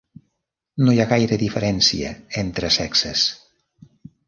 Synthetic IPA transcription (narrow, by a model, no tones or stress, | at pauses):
nojaɣajɾəðifəɾɛnsiə̰ent̪ɾəsɛksəs